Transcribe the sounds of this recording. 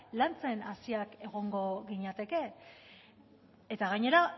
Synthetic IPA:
lant͡se̞nasiake̞ɣ̞o̞ŋɡo̞ɣiɲat̪e̞ke̞ | et̪aɣaɲe̞ɾa

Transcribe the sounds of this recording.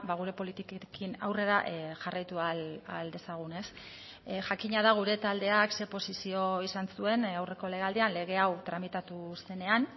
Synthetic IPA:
baɣ̞uɾe̞po̞lit̪ikkina̰wre̞ɾaʔʝarajt̪ualald̪e̞saɣ̞une̞s | ʝakiɲað̞aɣ̞uɾe̞t̪ald̪e̞akse̞po̞sisio̞isansue̞nawre̞ko̞le̞ɣald̪eanle̞ɣ̞e̞awt̪ɾamit̪at̪use̞ne̞an

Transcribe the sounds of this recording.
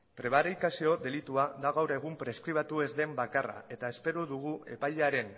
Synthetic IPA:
pɾe̞β̞aɾikasio̞ðe̞lit̪uad̪aɣ̞awɾe̞ɣ̞umpɾe̞skɾiβ̞at̪ue̞zd̪e̞mbakara̰e̞t̪ae̞spe̞ɾuðuɣ̞ue̞̰pajʎaɾe̞n

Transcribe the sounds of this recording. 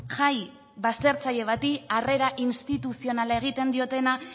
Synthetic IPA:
ʝaj | βast̪e̞ɾt͡saʎe̞βat̪iare̞ɾaʔinst̪it̪usio̞nalae̞ɣ̞it̪e̞nd̪io̞t̪e̞na

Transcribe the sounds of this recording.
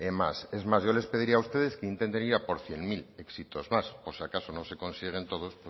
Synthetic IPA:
ema̰sezmazʝole̞speðiɾiaust̪e̞ð̞eskeint̪ent̪eniɾapo̞ɾθjeŋmileksit̪ozmaspoɾseakasonõsekõ̞nsiɣ̞ent̪o̞ð̞ospo

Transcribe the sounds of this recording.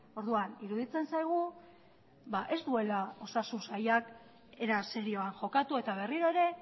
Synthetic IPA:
o̞ɾðuaniɾuðit͡se̞nsajɣ̞u | baʔe̞st̪ue̞lao̞sasunsajak | e̞ɾase̞ɾio̞anʝo̞kat̪ue̞t̪aβ̞e̞riɾo̞e̞ɾe̞

